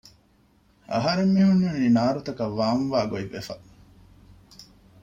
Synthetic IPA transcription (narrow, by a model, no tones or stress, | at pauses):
ɐ̰ɦɐɾemːiɦunːuniːnaːɾut̪ɐkɐʋːaːnʋaːɡoiʋːefɐ